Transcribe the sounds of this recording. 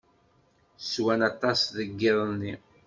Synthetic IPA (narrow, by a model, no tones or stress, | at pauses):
swænɑt̪ˤɑsðəɡːɪðˤnːi